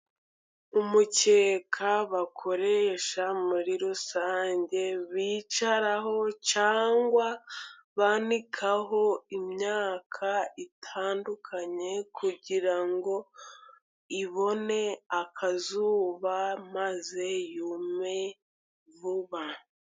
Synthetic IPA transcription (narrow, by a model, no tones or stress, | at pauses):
umuce̞ːkʰaβakʰo̞ɾeʃamuɾiɾusaːɲɟe̞βiːt͡ʃaɾaɦo̞caːŋɡwa | βanikʰaɦo̞imɲaːkʰaitʰaːndukʰaɲe̞kʰuɟiɾaŋɡo̞ | iβo̞ne̞akʰazuːβamaze̞jume̞ | vuβa